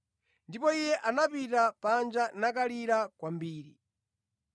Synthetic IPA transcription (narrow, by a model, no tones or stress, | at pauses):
ndipɔijɛʔanapitapand͡ʒanakaliɾakwambiːɾi